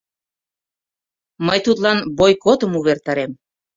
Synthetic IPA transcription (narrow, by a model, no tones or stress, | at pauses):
məjt̪ut̪lɑnbojkot̪əmuβert̪ɑɾem